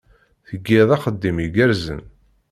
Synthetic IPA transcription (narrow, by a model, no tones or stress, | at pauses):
θəɡːɪðˤɑχəd̪ːimiɡəɾzə̰n